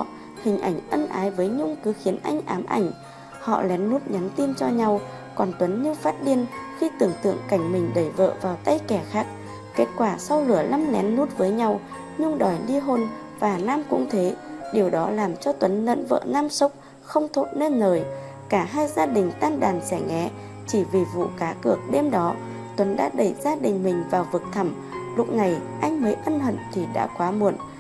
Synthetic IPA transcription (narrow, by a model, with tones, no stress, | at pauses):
hï˨˩ŋ̟ʔa˧˩jŋ̟ʔə˧nʔaː˨˦jvəː˨˦jɲʊ˧ŋ͡mkɨ˨˦xi˨˦ənʔa̰˧jŋ̟ʔaː˨˦mʔa̰˧˩jŋ̟ | hɔ̰˧˨lɛ˨˦nːu˦˥t̚ɲa˨˦nt̪i˧nt͡ɕɔ˧ɲa˧w | kɔ˨˩nt̪wə˨˦nɲɨ˧faː˦˥t̚ɗi˧˩ənxi˧t̪ɨ˨˩əŋt̪ɨ̰˧˨əŋka˧˩jŋ̟mï˨˩ŋ̟ɗə˧˩jvə̰ː˧˨vaː˨˩wt̪a˧jkɛ˧˩xaː˦˥k̚ | ke˦˥t̚kwaː˧˩sa˧wlɨ˧˩əla˧˥mlɛ˨˦nːu˦˥t̚vəː˨˦jɲa˧w | ɲʊ˧ŋ͡mɗɔ˨˩jɗi˧ɦo˧n | vaː˨˩naː˧mkʊ̰˧˥ŋ͡mt̪ʰe˨˦ɗi˨˩əwɗɔ˨˦laː˨˩mt͡ɕɔ˧t̪wə˨˦nːə̰˧˥nvə̰ː˧˨naː˧msə˦˥wk͡p̚ | xə˧wŋ͡mt̪ʰo˦˥t̚ne˧nːəː˨˩j | kaː˧˩ɦaː˧jzaː˧ɗï˨˩ŋ̟t̪aː˧nɗaː˨˩nsɛ˧˩ŋɛ˨˩˦ | t͡ɕi˧˩vi˨˩vṵ˧˨kaː˨˦kɨ˨˩ək̚ɗe˧mɗɔ˨˦ | t̪wə˨˦nɗa̰ː˧˥ɗə˧˩jzaː˧ɗï˨˩ŋ̟mï˨˩ŋ̟vaː˨˩wvɨ˨˩ək̚t̪ʰə˧˩m | lʊ˦˥k͡p̚na˨˩jʔa˧jŋ̟məː˨˦jʔə˧nhə̰˧˨nt̪ʰi˨˩ɗa̰ː˧˥kwaː˨˦mu˨˩ən